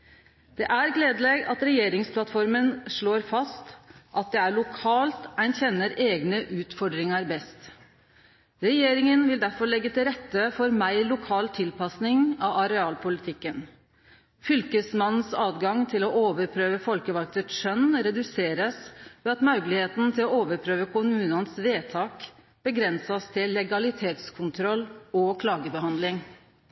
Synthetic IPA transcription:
d̪̥ɛʔæɾɡleːd̪leɡɑt̪ɾɛjeːɾɪŋspʰlɑt̪fɔɾmənʂɭoːɾfɑst̪ʔɑt̪̚d̪ɛæɭʊkʰɑːlt̪æɪnçɛnːəɾeːɡnəʔʉːt̪fɔɖɾɪŋɑɾbɛst̪ | ɾɛjeːɾɪŋənʋɪld̪æɾfɔɭɛɡːət̪ʰɪlɾɛt̪ːəfɔɾmæɪlʊkʰɑːlt̪ʰɪlpɑsnɪŋɑɑɾɛɑːlpʰʊlɪt̪ʰɪkːən | fʏlkəsmɑnn̩sɑːd̪ɡɑŋt̪ʰɪlɔʔoːʋəɾpʰɾøːʋəfɔlkəʋɑlk̚t̪ət̪ʃœnɾɛd̪ʉseːɾəsʋɛːɑt̪mɑʉɡlɪheːt̪n̩t̪ʰɪlɔoːʋəɾpʰɾøːʋəkʰʊmʉːnɑnsʋeːt̪ʰɑːk | b̥əɡɾɛnsɑst̪ʰɪlːɛɡɑlɪt̪ʰeːt̪skʰʊnt̪ʰɾɔlːɔkʰlɑːɡəbəhɑnd̪lɪŋ

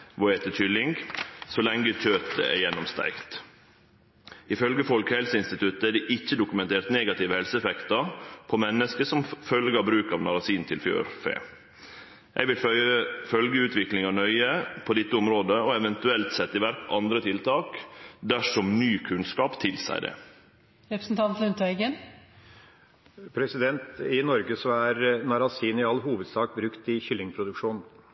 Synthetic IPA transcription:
ʋɔɛt̪ətʰʏlːɪŋɡsɔlɛŋɡəc͡çøːt̪ə̰ɛ̰ɾjɛnːɔmst̪æ̰ɪɡt̪ | ɪfœlɡəfɔlkhɛlsəɪnst̪ɪt̪ʰʉt̪ːəæɖɛʔɪçːəd̪ʊkʉmɛnt̪ʰeːɾt̪neːɡɑt̪ɪːʋəhɛlsəɛfɛkt̪ɑpʰɔmɛnːəskəsɔmfœlɡəɑbɾʉːkɑʋnɑɾɑsiːnt̪ʰɪlfjø̰ːɾfḛː | jʔɛ̰ɪʋɪlfœlɡəʉːt̪ʋɪklɪŋɑnœʏəpʰɔd̪ɪt̪ːəʊmɾoːd̪əɔɛʋɛnt̪ʉɛlt̪sɛt̪ːɪʋæɾkʔɑnd̪ɾət̪ʰɪlt̪ʰɑːkd̪æʂɔmnyːkʰʉnskɑːpt̪ʰɪlsæ̰ɪd̪ɛ̰ | ɾɛpɾə̥sn̩t̪ʰɑnt̪lʉnt̪æɪɡən | pʰɾɛsɪd̪ɛnt̪ɪnɔɾɡəsɔæɾnɑɾɑsiːnɪɑlːɦuːʋəd̪sɑːk̚bɾʉkt̪ɪçʏlːɪŋpʰɾʊd̪ʉkʂuːn

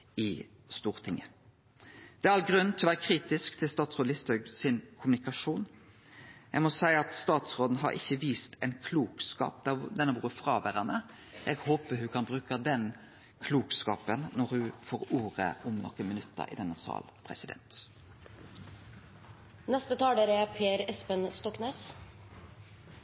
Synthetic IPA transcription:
ɪ | st̪uːʁt̪ʰɪŋːə | d̪̥ɛːæɾɑlɡɾʉnnt̪ʰɪlɔʋæːʁəkʰɾiːt̪ɪskt̪ʰɪlst̪ɑːt̪sʁoːd̪lɪst̪œɡsɪnkʰʊmʉnɪkɑʂuːn | jæɡmɔsæɪəɑt̪st̪ɑːt̪sʁoːd̪n̩ɦɑ̰ɾɪ̰çːəʋiːst̪ʰɛɪnkʰluːkskɑ̰ːpd̪ɑd̪ɛnːəʋuːɾəfɾɑːʋæɾənə | ʔɛɡhoːpəhʉkʰɑnbɾʉːkəd̪ɛn | kʰluːkskɑ̰ːpənnɔɾhʉfoːɾuːɾə̰ʔʊmnɔ̰kːənmɪnʉt̪ʰːə̰ɾɪ̰d̪ɛnːəsɑ̰ːlpʰɾɛ̰sɪd̪ɛ̰nt̪ | nɛst̪ət̪ʰɑːd̪eːɾɛpʰeːɾɛspənst̪ɔkneːs

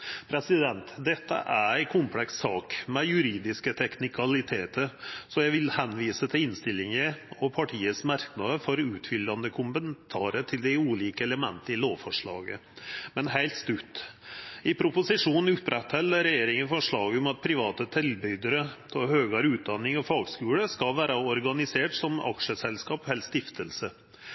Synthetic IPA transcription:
pʰɾɛsɪd̪ɛnt̪d̪ɛt̪ːə̰ʔæɾæɪkʰʊmpʰlɛkssɑːkmɛjʉɾiːd̪ɪskət̪ʰɛknɪkʰɑlɪt̪ʰeːt̪əɾsɔjæɪʋɪlhɛnːʋiːsət̪ʰɪlɪnst̪ɪlːɪŋəɔpʰɑʈʰiːəsmæɾknɑd̪əfɔɾʉːt̪fʏlːɑnd̪əkʰʊmənt̪ʰɑːɾəʈʰɪld̪æuːliːkəɛləmɛ̰nt̪əɪloːfɔʂɭɑ̰ːɡə̰mɛnhæɪlt̪st̪ʉt̪ | ɪpʰɾʊpʊsɪʂuːnn̩ʉpɾɛt̪hɛlːəɾɛjeːɾɪŋənfɔʂɭɑːɡəɔmɑt̪̚pʰɾɪʋɑːt̪ət̪ʰɪlbʏd̪əɾə̥ɔhøːɡɑɾʉːt̪̚d̪ɑnɪŋɔfɑːɡskʉːɽəskɑlʋæːɾɑɔɾɡɑnɪseːʈsɔmɑ̰kʂəsɛlskɑːphɛlst̪ɪft̪ʰəlsə

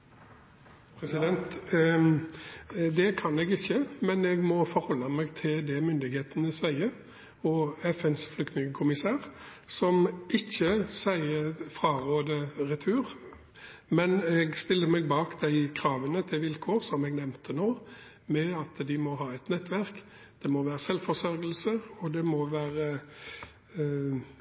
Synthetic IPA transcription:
pʰɾɛsɪd̪ɛnt̪ | d̪ɛkʰɑnɛɡɪçːəmɛnɛɡmɔfɔɾhɔlːɑmɛɡt̪ʰɪld̪ɛmʏnd̪ɪɡheːt̪ənəsæɪəɾ | ɔɛfɛnsflʏkt̪nɪŋəkʰʊmɪsæːʁ | sɔmɪçːəsæɪəfʁɑʁoːd̪əʁɛt̪ʰʉːʁ | mɛnɛɡst̪ɪlːəmɛɡbɑːkd̪̥æɪkʰɾɑːʋənət̪ʰɪlʋɪlkʰoːʁsɔmɛɡnɛmnt̪ʰənoː | mɛɑt̪d̪ɪmɔɦɑːɛt̪nɛt̪ːʋæʁk | d̪̥ɛmɔʋæːɾʁəsɛlfɔsœɾɡəlsəɾɔd̪ɛmɔʋæːɾə

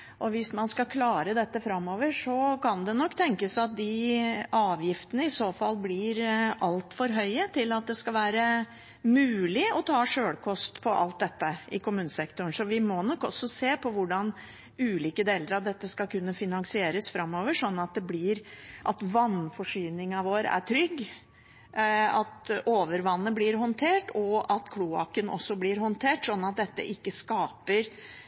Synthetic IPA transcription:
ʔɔʋɪsmɑnskɑkʰlɑːɾəd̪ɛt̪ːəfɾɑmːoːʋəʂɔkʰɑnd̪ɛnɔkːt̪ʰɛŋkəsɑt̪̚d̪ɪɑːʋjɪft̪ənəɪsoːfɑlːblɪɾɑlt̪fɔɾɦœʏət̪ʰɪlɑt̪̚d̪ɛskɑlʋæːɾə | mʉːlɪɔt̪ʰɑːʂøːɽkʰɔst̪pʰɔʔɑ̰lt̪̚d̪ɛt̪ːəɪkʰʊmʉːnəsɛkt̪ʊɳsɔʋɪmɔnɔkːɔ̰sɔseːpʰɔʋʊɖɑn | ʉːliːkəd̪eːləɾɑʋd̪ɛt̪ːəskɑkʰʉnːəfɪnɑŋsɪeːɾəsfɾɑmːoːʋəʂɔnːɑt̪̚d̪ɛblɪɾʔɑt̪ʋɑnfɔʂyːnɪŋɑʋoːɾæ̰ʈʰɾʏɡː | ɑt̪oːʋəɾʋɑnːəblɪɾɦɔnt̪ʰeːʈɔɑt̪kʰluːɑ̰kənɔ̰sːɔblɪɾhɔnt̪ʰeːʈsɔnːɑt̪̚d̪ɛt̪ːə̰ʔɪkːəskɑːpəɾ

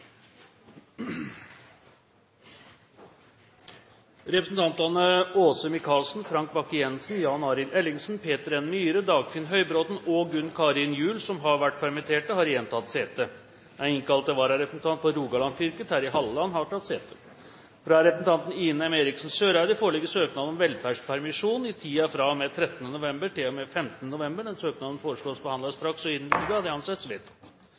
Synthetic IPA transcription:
ɾɛpɾəsn̩t̪ʰɑnt̪ɑnəoːsəmɪkʰɑːlsn̩fɾɑŋk̚bɑkɪɛnsn̩jɑːnɑːɾɪlɛlːɪŋsn̩pʰeːt̪əɾɛnmyːɾəd̪ɑːɡfɪnɦœʏbɾoːt̪nɔɡʉnːkʰɑɾɪnjʉːlsɔmɦɑɾʋæʈ̚ːpʰæɾmɛt̪ʰeːʈəhɑɾjɛnt̪ʰɑt̪ːseːt̪ə | æɪŋkʰɑlt̪əʋɑːɾɑɾɛpɾəsn̩t̪ɑnt̪fɔɾuːɡɑlɑnfʏɾkət̪hæːɾɪɦɑlːəɑnːhɑʈʰɑt̪ːseːt̪ə | fɾɑɾɛpəsn̩t̪ɑnt̪ən̩iːnəɑmeɾɪksn̩søːɾɑɪd̪əfoːɾɭɪɡːəsøːknɑːd̪ɔmʋɛlfæːʂpʰæɾmɪʂuːnɪt̪ʰiːɑfɾɑmɛt̪ʰɾɛt̪ːənənʊʋɛmbəʈɪlɔmɛfɛmt̪ənənʊʋɛmbəɖɛnsøːknɑːd̪ən̩foːɾəʂɭoːsbəhɑnd̪ɑst̪ɾɑksɔɪnlyd̪əɑd̪ɛhɑnsɛsʋeːt̪t̪

